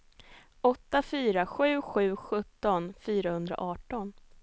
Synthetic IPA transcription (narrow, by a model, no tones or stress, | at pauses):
ɔt̪ːafyːɾaɧʉ̟ːɧʉ̟ːɧɵt̪ːɔnfyːɾahɵnd̪ɾa̰ʔɑːʈɔn